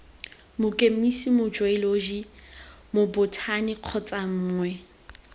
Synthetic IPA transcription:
mʊkʼemisimʊd͡ʒwailod͡ʒi | mʊbʊtʰanɪq͡χʰɔt͡sʼaŋ̩ːŋwɛ

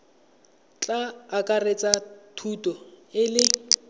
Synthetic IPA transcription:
t͡ɬʼaːkʼaret͡sʼatʰutʼɔɪlɪ

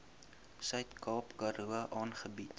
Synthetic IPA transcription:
sœɥtkɑːpkɐɾuəʔɑːnχəbit

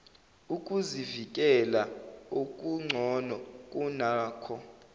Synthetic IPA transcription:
ukʼuzivik̬ʼɛlaukʼuŋ͡ǀʱɔnɔkʼunaːkʰɔ

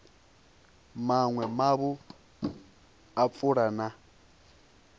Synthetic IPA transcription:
maŋwɛmaβu | ap̪fʼuɺana

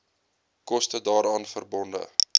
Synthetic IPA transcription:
kɔstədɑːɾɑːnfərbɔndə̰

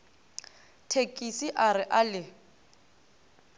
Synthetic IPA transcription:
tʰekʼisiʔaɾɪʔalɪ

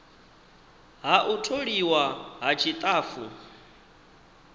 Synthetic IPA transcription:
ɦaʔutʰoɺiwaɦat͡ʃʰit̪ʼaːfu

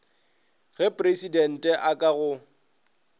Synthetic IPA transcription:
ɣɛpʼresidɛn̩tʼɛʔakʼaɣʊ

